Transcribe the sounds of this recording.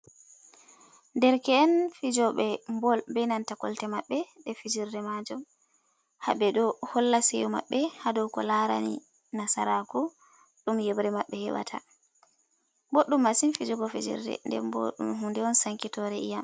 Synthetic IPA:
ndɛɾkɛɛnfid͡ʒɔɓɛmbɔlbɛnantakɔ̰ltɛmaɓːɛɗɛfid͡ʒiɾdɛmad͡ʒɔm | ha̰bɛɗɔhɔlːasɛjɔma̰ɓːɛhadɔwkɔlaɾa̰nḭ | nasaɾaku | ɗumjɛbɾɛmaɓːɛhɛ̰ɓa̰tʰa̰ | boɗːumːasinfid͡ʒuɡɔfid͡ʒḭɾdɛ̰ndɛ̰mbo̰ɗṵmhundɛɔnsaŋkitɔɾɛʔḭjam

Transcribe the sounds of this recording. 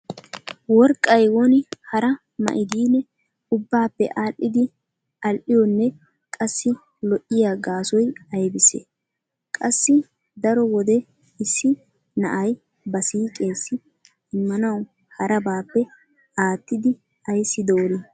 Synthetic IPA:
wɔɾkʼːɐjwɔnɪhɐɾɐ | mɐ̰ʔɪd̪iːnːɛ | ʊbːaːpːɛ̰ʔaːʔːɪd̪ɪ | ʔɐlʔɪjɔnːɛ | kʼɐsːɪ | lɔʔɪjaɡaːsɔjɐjbɪsḛ | kʼɐsːɪ | d̪ɐɾɔwɔd̪ɛ | ɪsːɪ | nɐ̰ʔɐj | bɐsiːkʼe̞ːsːɪ | ɪmːɐnɐw | hɐɾɐbaːpːɛ | aːt̪ːɪd̪ɪ | ɐjsːɪd̪oːɾɪ

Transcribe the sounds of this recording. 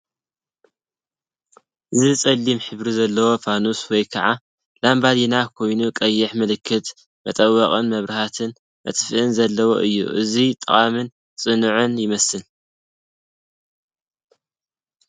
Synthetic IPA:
ʔɨzit͡sʼɐlːimħɨβɾizɐlːɐwo̞fʰanuswɔjkʰɐʕa | lambad̪inakʰo̞jnukʼɐjːɪħmɨlɨkʰːɨt̪ | mɐt̪ʼɐwːɐχʼɨnmɐβɾɨhat̪ʰɨn | mɐ̰t̪ʼfɨʔɨnzɐlːɐwo̰ʔɨjːṵʔɨzit̪ʼɨχʼamɨn | t͡sʼɨnɨʕɨnjɪmɐsɨn

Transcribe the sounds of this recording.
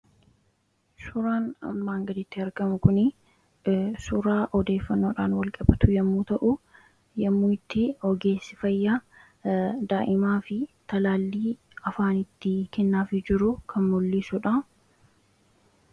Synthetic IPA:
sʊɾaːnɐ̰mːaːŋɡɐd̪ɪt̪ːɪɐɾɡɐmʊkʊnɪ | sʊɾaːʔɔd̪eːfːɐnːo̞ːᶑaːnwɐlkʼɐbɐt̪ʊjɐmːuːt̪ɐʔʊ | jɐmːuːɪt̪ːɪɔɡe̞ːsːɪfɐjːa | d̪aːʔɪmaːfɪt̪ɐlaːlːiː | ɐfaːnɪt̪ːɪkɛnːaːfɪd͡ʒɪɾʊkʰɐnmɔlːiːsʊᶑɐ

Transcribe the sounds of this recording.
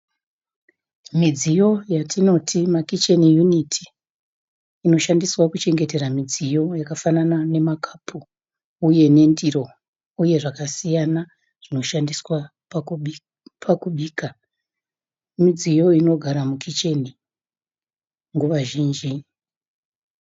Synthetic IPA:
mid͡zijo̞jatʰino̞tʰimakit͡ʃenijunitʰi̥ | no̞ʃandiswakut͡ʃe̞ŋɡe̞te̞ɾamid͡zijo̞jakafananane̞makʰḁpʰuː | uje̞ne̞ndiro̞ | uje̞ʐakasijana | ʐ̥ino̞ʃandiswa | pʰakuɓiːka | mid͡zijo̞ino̞ɡʱaɾamukʰit͡ʃeni | ŋɡuʋaʒiːnd͡ʒi

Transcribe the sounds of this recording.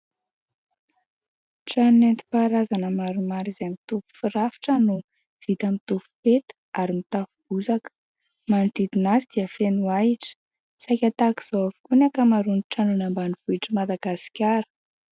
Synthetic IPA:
ʈ͡ʂanunent̪i̥paɾazanəmaɾumaɾizemit̪upu̥fiɾafi̥ʈ͡ʂənu | v̥it̪amit̪ufu̥pet̪ə̥ | aɾimit̪afub̥uzakə̥ | mant̪id̪inazid̪̥iəfenuaiʈ͡ʂə̥ | sajkʲat̪aki̥z̥oavu̥kunakəmaɾuniʈ͡ʂanunambaniv̥uiʈ͡ʂəmad̪aɡasi̥kʲaɾə̥

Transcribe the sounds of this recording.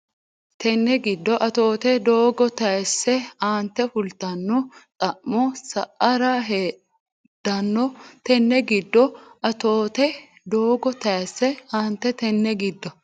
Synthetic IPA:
t̪ɛnːɛɡɪd̪ːɔʔɐt̪o̞ːt̪ɛd̪oːɡɔt̪ɐjsːɛaːnt̪ːɛfʊlt̪ɐnːɔt̪ʼɐʔmːɔsɐʔɐɾaɦeː | d̪̥ɐnːɔt̪ɛnːɛɡɪd̪ːɔʔɐt̪o̞ːt̪ɛ | d̪o̞ːɡɔt̪ɐjsːɛaːnt̪ːɛt̪ɛnːɛɡɪd̪ːɔ

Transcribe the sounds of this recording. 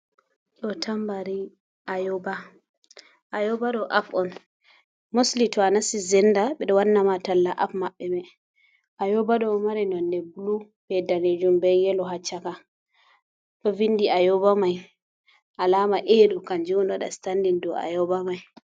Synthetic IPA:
ɗɔtʰambaɾi | ʔajɔba | ʔajɔbaɗɔʔafɔn | moslitɔanasizɛndaɓɛɗɔwanːamatalːaʔafmaɓːɛmɛ | ʔajɔbaɗɔmaɾinɔndɛbulu | bɛdaned͡ʒumbɛjɛlɔɦat͡ʃːaka | ɗɔvinːdiajɔbamaj | ʔalamaʔeɗukand͡ʒunɗaɗa̰standindɔ̰a̰jɔbamaj

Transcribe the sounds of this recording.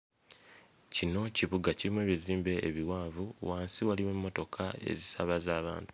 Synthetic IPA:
cino̞ciβuɡaciɾimwe̞ːβiziːmbe̞ʔːβiwaːvuwaːnsiwaliwemːo̞to̞kʰae̞̰zisaβazaːβa̰ːntu̥

